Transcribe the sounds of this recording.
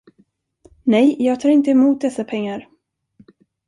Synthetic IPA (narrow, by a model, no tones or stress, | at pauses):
nɛjjɑːɡ̚t̪ʰɑːɾɪnt̪əɛmuːt̪̚d̪ɛsːapʰɛŋːaɾ